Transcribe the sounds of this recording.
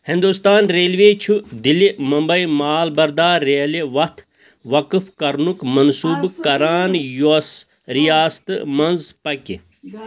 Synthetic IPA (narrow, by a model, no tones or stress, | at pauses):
hind̪ust̪aːnɾeːlʋeːt͡ʃʰud̪ilimɐmbɐimaːlbɐɾd̪aːeːliʋɐt̪ʰ | ʋɐkɨfkɐɾnukmɐnsuːbkɐɾaːnjos | ɾijaːst̪ɨ̰mɐnzpɐkḭ